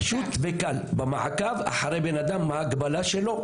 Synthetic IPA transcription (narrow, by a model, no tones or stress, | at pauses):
ʃut̪vekalbema̰ʕkava̰ħaʁejbenad̪amːaaɡbalaʃelo̞